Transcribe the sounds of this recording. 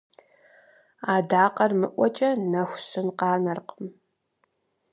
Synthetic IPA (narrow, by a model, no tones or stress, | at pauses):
aːdaːqɐrmɨʔʷɔt͡ʃʼɐnɐxʷɕɨnqɑːnɐrqəm